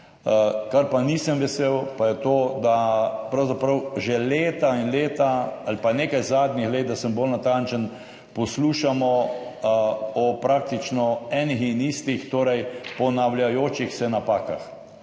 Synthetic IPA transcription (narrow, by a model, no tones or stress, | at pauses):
kaɾpanisəmʋɛseːwpajɛt̪oːd̪apɾɐwzapɾəwʒɛleːt̪ainleːt̪aalipaneːkajzaːd̪nixleːt̪̚d̪asəmbolnat̪ant͡ʃən | pɔsluːʃamɔ | ɔpɾak̚t̪it͡ʃnɔɛːnixinist̪ixt̪oːɾɛjpɔnawljajoːt͡ʃixsɛnapaːka̰x